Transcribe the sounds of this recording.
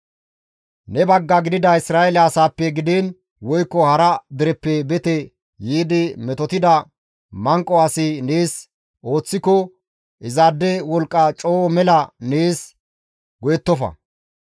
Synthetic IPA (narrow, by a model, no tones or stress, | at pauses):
nɛbɐɡːɐɡɪd̪ɪd̪ɐɪsɾaːjɛlɐːsaːpːɛɡɪd̪eːn | wɔjkːɔhɐɾɐd̪ɪɾɛpːɛbɛt̪ɛ | jiːd̪ɪmɛt̪ɔt̪ɪd̪ɐ | mɐŋkʼːɔaːsɪneːs | ʔo̞ːt͡sːɪkɔ | ʔɪzaːd̪ːɛwɔlkʼːɐt͡ʃʼoːmɛlɐneːs | ɡɔjɛt̪ːɔfɐ̰